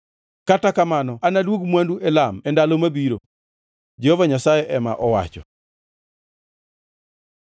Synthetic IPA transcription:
katakamanɔanadwoɡmwanduɛlamɛndalomabiɾo̰ | d͡ʒehovaɲasajɛʔɛma̰ʔɔwa̰t͡ʃɔ̰

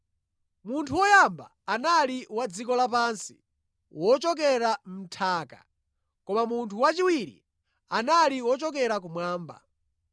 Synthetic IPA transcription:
muntʰuwɔjamba̰ːnaliwad͡zikɔlapansi̥̰ | wɔt͡ʃɔk̬ɛɾam̩tʰaːka̰ | kɔmamuntʰuwat͡ʃiwiɾḭ | analiwɔt͡ʃɔk̬ɛɾak̬umwaːmba̰

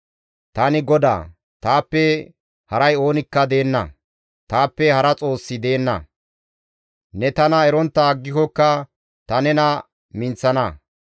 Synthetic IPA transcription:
t̪ɐnɪɡɔd̪a̰ː | t̪aːpːɛ | hɐɾɐjo̞ːnɪkːɐd̪e̞ːnːɐ̰ | t̪aːpːɛhɐɾɐt͡sʼo̞ːsːɪd̪e̞ːnːɐ̰ | nɛt̪ɐnɐɛɾɔnt̪ːɐɡːɪkɔkːɐ | t̪ɐnɛnɐ | mɪnt͡sːɐnɐ

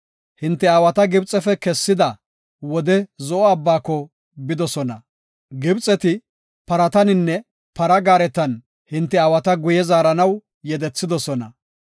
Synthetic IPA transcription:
hɪnt̪ːɛawɐt̪ɐɡɪbt͡sʼɛfɛkɛsːɪd̪ɐ | wɔd̪ɛzɔʔɔɐbːaːkːɔ | bɪd̪ɔsɔnɐ | ɡɪbt͡sʼɛt̪ɪ | pɐɾɐt̪ɐnɪnːɛ | pɐɾɐɡaːɾɛt̪ɐn | hɪnt̪ːɛɐːwɐt̪ɐɡʊjɛzaːɾɐnɐw | jɛd̪ɛt͡sːɪd̪ɔsɔnɐ̰

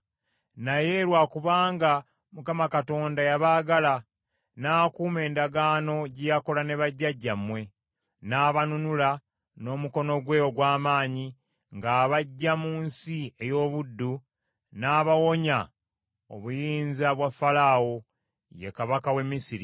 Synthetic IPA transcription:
naje̞ɾwaːkuβaːŋɡa | mukamakato̞ːndajaβaːɡala | naːkuːme̞ːndaɡaːno̞ɟejako̞lane̞βaɟːaɟːamwe̞ | naːβanunula | no̞ːmuko̞no̞ɡwe̞ːjoɡwaːmaːɲi | ŋɡaːβaɟːamuːnsie̞jo̞ːβudːu | naːβawo̞ɲa | o̰βujiːnzaβwafːalawo̞ | je̞̰kaβakawe̞mːisiɾi

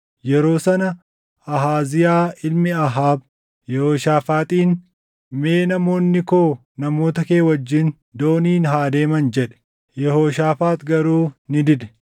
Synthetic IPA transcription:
jɛɾo̞ːsɐnɐ | ɐɦaːzɪjaːɪlmɪɐɦaːb̚ | jɛhoːʃaːfaːt̪ʼiːn | meːnɐmo̞ːnːɪkoː | nɐmo̞ːt̪ɐke̞ːwɐd͡ʒːɪn | d̪o̞ːniːnɦaːd̪e̞ːmɐnd͡ʒɛᶑɛ̥ | jɛhoːʃaːfaːt̪ɡɐɾuːnɪd̪ɪd̪ɛ̥

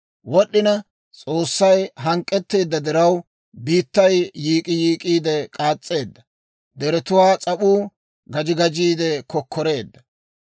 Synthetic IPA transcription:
wɔɗːɪnɐ | t͡sʼo̞ːsːɐjɦɐŋkʼːɛt̪ːe̞ːd̪ːɐd̪ɪɾɐw | biːt̪ːɐjːiːkʼɪjiːkʼiːd̪ɛkʼaːt͡sʼːe̞ːd̪ːɐ | d̪ɛɾɛt̪ʊwaːt͡sʼɐɓuː | ɡɐd͡ʒɪɡɐd͡ʒiːd̪ɛkɔkʰːɔɾe̞ːd̪ːɐ

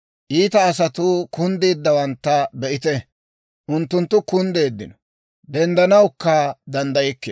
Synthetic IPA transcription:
ʔiːt̪ɐːs̬ɐt̪ʊkʊnd̪eːd̪ːɐwɐnt̪ːɐbɛʔɪt̪ɛ | ʔʊnt̪ːʊnt̪ːʊkʊnd̪e̞ːd̪ːɪnɔ | d̪ɛnd̪ɐnɐwkːɐd̪ɐnd̪ɐjɛkːɪ

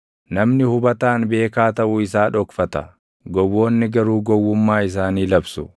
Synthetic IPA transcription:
nɐmnɪhʊbɐt̪aːnbe̞ːkaːt̪ɐʔuɪsaːᶑɔkfɐt̪ɐ̰ | ɡɔwːo̞ːnːɪɡɐɾuːɡɔwːʊmːaːɪs̬aːniːlɐbsʊ

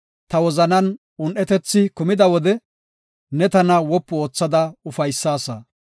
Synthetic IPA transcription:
t̪ɐwɔzɐnɐn | ʊnʔɛt̪ɛt͡sːɪkʊmɪd̪ɐwɔd̪ɛ | nɛt̪ɐnɐwɔpːʊo̞ːt͡sːɐd̪ɐʊfɐjsːaːsɐ̰

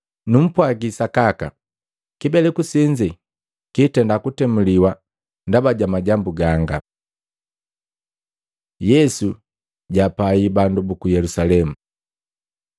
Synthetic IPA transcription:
num̩pwaɡisakaka̰ | kibɛlɛkusiɲd͡ʒi | kitɛndakutɛmuliwa | ndabaɟamaɟambuɡaŋɡa̰ | jɛsu | ɟapaibandubukujɛlusalɛmu

